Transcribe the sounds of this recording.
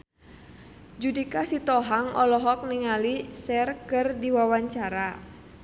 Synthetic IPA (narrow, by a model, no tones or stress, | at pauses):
d͡ʒudikasit̪ɔɦaŋɔlɔɦɔk̚niŋalisɛrkɨrdiwawaɲt͡ʃaɾa